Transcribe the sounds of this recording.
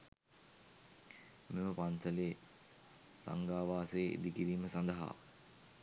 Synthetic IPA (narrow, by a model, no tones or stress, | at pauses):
meməpansəleː | sa̰ŋɡaːʋaːseːḭd̪ikiɾiːməsand̪əɦa̰ː